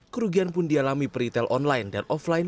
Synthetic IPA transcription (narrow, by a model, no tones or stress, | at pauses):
kəɾuɡianpʊndialamipɾit̪ɛlʔɔnlaɪndanʔɔflajn